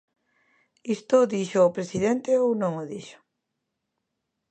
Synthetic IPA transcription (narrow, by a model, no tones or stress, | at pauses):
ist̪ʊðiʃoːpɾesiðent̪eownõŋoðiʃo̥